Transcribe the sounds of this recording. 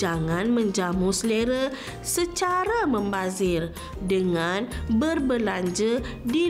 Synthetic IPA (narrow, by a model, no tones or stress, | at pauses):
aŋãnmə̃ɲd͡ʒamusleɾə | sət͡ʃaɾamə̃mbazɪr | dəŋanbərbəlaɲd͡ʒədi